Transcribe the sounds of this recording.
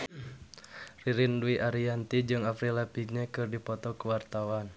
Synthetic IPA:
riɾinduiʔaɾiant̪id͡ʒɨŋapɾilapiɡɲakɨrdipɔt̪ɔkəwart̪awan

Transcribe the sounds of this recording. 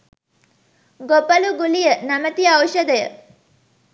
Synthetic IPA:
ɡopɐluɡulijənɐmət̪iɐwʃəd̪əjə̰

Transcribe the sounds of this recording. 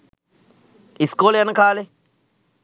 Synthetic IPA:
iskoljanakaːle

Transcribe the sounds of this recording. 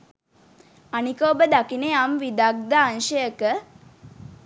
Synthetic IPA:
anikoːbəd̪akineamʋid̪ak̚d̪aːnʃəjəkə

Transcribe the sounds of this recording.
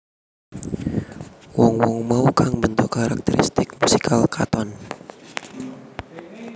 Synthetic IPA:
wɔŋwɔŋmaukaŋbənt̪ukaɾak̚t̪ɛɾḭst̪ɪk̚musi̥kʰalkʰa̰t̪ɔn

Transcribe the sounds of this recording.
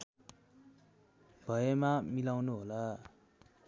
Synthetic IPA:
b̥ʱʌjemamilawnuɦola

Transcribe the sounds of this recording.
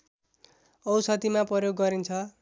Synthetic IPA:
ʌwsʌt̪imaprʌjoɡːʌɾint͡sʰʌ

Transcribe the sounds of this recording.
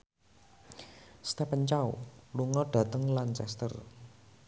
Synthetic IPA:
st̪ɛpənt͡ʃawluŋɔɖ̥a̤t̪əŋlant͡ʃɛ̰st̪ə̰r

